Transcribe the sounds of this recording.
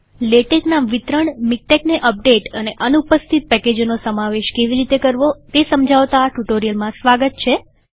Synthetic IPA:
leʈeknaʋit̪ɾəɳmik̚ʈekneʔəp̚ɖeʈəneʔənupəst̪ʰit̪̚pɛked͡ʒnosəmaʋeʃkeʋiɾit̪ekəɾʋot̪esəmd͡ʒʱaʋt̪aːʈuʈoɾijəlmãsʋaɡət̪̚t͡ʃʰe

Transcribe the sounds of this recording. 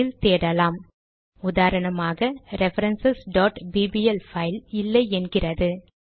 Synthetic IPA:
ɪlt̪eːɽɐlaːm | ʊðaːɾɐɳɐmaːɣɐɾɛfɐɾɐnsɐsɖoːʈbiːbiɛlfɐɪlɪlːɐɪɛnɡɪrɐðɯ

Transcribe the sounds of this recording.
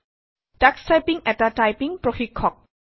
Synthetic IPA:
d̥akstajpiŋʔɛtatajpĩŋpɾoxikʰːɔk̚

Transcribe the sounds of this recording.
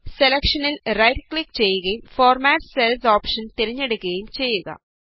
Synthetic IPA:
selekʂɐnilrɐjʈklikt͡ɕe̞jːuɣɐjumfoːrmaːʈselsoːpʂɐnt̪iɾiɲːeɽukːɣɐjumt͡ɕe̞jːuɣɐ̰

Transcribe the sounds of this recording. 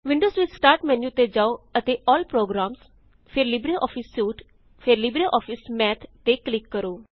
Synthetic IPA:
ʋɪ̃ɳɖoːzʋɪdsʈaːɾʈmɛ̃ːnũːʊt̪ːeːd͡ʒaːoːət̪eːʔɔːlpɾoːɡɾaːms | pʰɪɾlɪbɾeːʔɔːpʰɪsːuːʈ | pʰɪɾlɪbɾeːʔɔːpʰɪsmɛːt̪ʰːeːklɪkːəɾoː

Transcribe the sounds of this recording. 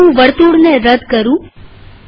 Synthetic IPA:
ũʋəɽt̪uɽneɾəd̪ʱkəɾũ

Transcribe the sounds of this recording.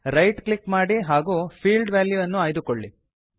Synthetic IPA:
ɾɐjʈkɭikmaːɽiɦaːɡuːpʰiːlɖʋaːljuʋɐnːuaːjd̪ukoɭːḭ

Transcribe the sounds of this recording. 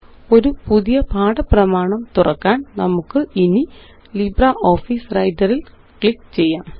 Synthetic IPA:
o̞ɾupuðijɐpʰaːɽɐprɐmaːɳɐmt̪urɐ̰kːaːnnɐmukːɨini | librɐʔo̞ːfiːsrɐjdɐril | kɭikːt͡ɕe̞jːaːm

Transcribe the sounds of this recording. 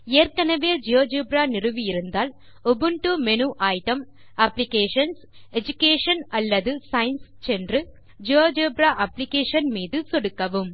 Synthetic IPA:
eːrkɐnɐʋeːd͡ʒijoːd͡ʒeːbɾaːnɪrɯʋijɪɾɯnd̪aːl | ɔbɯɳʈumɛnuːʔɐjʈɐm | ɐpːlɪkeːʂɐns | ɛd͡ʒʊkeːʂɐnɐlːɐðɯsɐɪnst͡ʃɛndrɯ | d͡ʒijoːd͡ʒeːbɾaːʔɐpːlɪkeːʂɐnmiːðɯsɔɽɯkːɐʋɯm

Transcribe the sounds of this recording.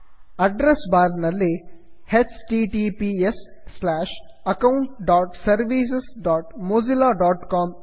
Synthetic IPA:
ɐɖɾesbaːɾnɐleːhetsʈiːʈipiːesːlæːʃ | ɐkɐwʊɳʈɖaːʈsɐɾʋiːsesɖaːʈmoːzilaːɖɔːʈkɔːm

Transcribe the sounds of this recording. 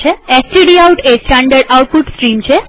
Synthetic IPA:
eesʈiɖiawʈesʈaɳɖəɾɖauʈ̚puʈsʈɾimt͡ʃʰe

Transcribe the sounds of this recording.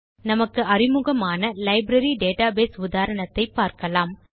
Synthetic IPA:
nɐmɐkːɯʔɐrɪmʊɣɐmaːnɐlɐɪbɾɐɾiɖeːʈaːbeːsʊðaːɾɐɳɐt̪ːɐɪpːaːɾkɐlaːm

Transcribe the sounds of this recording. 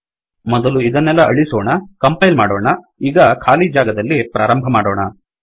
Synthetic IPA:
mɔd̪ɐluid̪ɐnːɛlːɐʔɐɭisɔːɳɐkɐmpɐjlmaːɽɔːɳɐ | iːɡɐkʰaːlid͡ʒaːɡɐd̪ɐlːipɾʔaːɾɐmbʱɐmaːɽɔːɳɐ

